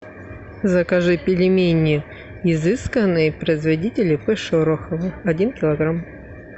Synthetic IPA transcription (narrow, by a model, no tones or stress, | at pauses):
zɐkɐʐɨpʲɪlʲɪmʲenʲɪʊ | ɪzɨskənːɨjəpɾəɪzvɐdʲitʲɪlʲɪpɨʂoɾoxəvɨɐdʲinkʲɪlˠɐɡɾam